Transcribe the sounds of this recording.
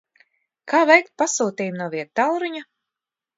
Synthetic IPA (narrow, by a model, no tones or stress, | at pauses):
kaːvɛjk̚t̪̚pasuːt̪iːjmnuɔviɛk̚t̪awɾuɲa